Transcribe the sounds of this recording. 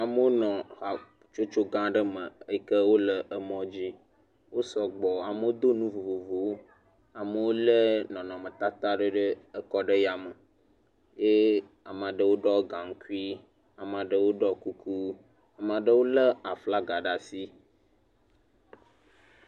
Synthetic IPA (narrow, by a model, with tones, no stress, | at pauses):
a˨mə˦wo˦nɔ̃˨a˨ | t͡ʃo˦t͡ʃo˦ɡã˦ɖə˦mə˨ə˦jkə˦wo˦lə˨ʔə˨mɔ̃˦d͡ʑi˦ | wo˦sɔ˨ɡ͡bɔ˨a˨mə˦wo˦d̪o˦nũ˦vo˨vo˨vo˨wo˦ | a˨mə˨wo˦lə˦nɔ̃˨nɔ̃˨mə̃˨t̪a˦t̪a˦ɖə˦ɖə˦ə˦kɔ˦ɖə˦ja˨mə˨ | je˦ | a˨m˨a˨ɖə˦wo˦ɖɔ˦ɡã˨ŋ̩˦ku˦i˦ | a˨m˨a˨ɖə˦wo˦ɖɔ˦ku˦kʰu˦ | a˨m˨a˨ɖə˦wo˦lə˦a˨fla˦ɡa˨ɖa˨si˦